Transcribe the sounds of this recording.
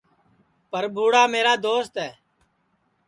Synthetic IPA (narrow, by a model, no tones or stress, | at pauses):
pəɾbʱuːɽaːmeːɾaːd̪oːst̪ɦɛː